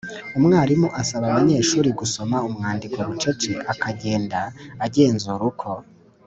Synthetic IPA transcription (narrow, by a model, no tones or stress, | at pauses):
umŋaːɾimuʔasaβaβaɲe̞ːʃuːɾiɡuso̞maumŋaːndikoβut͡ʃe̞t͡ʃiʔakʰaɟe̞ːndaːɟe̞ːnzuɾukʰo̞